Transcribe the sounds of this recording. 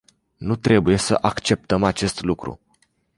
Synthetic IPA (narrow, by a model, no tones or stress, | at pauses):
nut̪ɾe̞buje̞sə̰ʔakt͡ʃe̞p̚t̪əmat͡ʃe̞st̪lukɾṵ